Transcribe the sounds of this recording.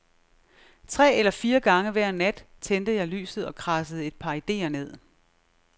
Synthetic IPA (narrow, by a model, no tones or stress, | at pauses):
t͡sʰʁɛ̰ːelɐfiːɐɡ̥ɑ̈ŋəʋæɐ̰næd̥t͡sʰend̥ð̩ˠjɑ̈ɪly̰ːsð̞̩ˠɒ̽kʰʁɑsəð̞̩ˠe̝d̥̚pʰɑ̈ːid̥e̝̰ːɐne̝ð̞̰ˠ